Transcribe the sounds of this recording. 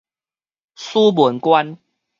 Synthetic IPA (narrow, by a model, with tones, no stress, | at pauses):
su˦bu˨˩˦nkwa˦n